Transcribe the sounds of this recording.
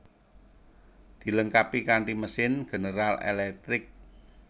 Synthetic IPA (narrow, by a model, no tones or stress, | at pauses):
d̪̥i̤ləŋkapikaɳʈiməsɪnɡ̥ə̤nəɾalḛlɛk̚t̪ɾɪk̚